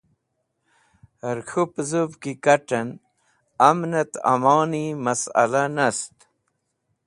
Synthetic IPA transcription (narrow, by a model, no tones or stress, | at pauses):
əɾxʰupzubkikaʈən | ɐmnɐt̪a̰mɑːnimɐsɐ̰lanɐst̪